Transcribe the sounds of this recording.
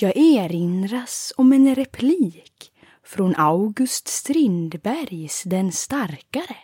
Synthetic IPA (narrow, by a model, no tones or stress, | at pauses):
jɑːɡeːɾɪnɾasɔmɛnɾɛpʰliːk | fɾɔnʔaʊɡɵst̪st̪ɾɪnd̪bæɾjsd̪ɛnst̪aɾkaɾə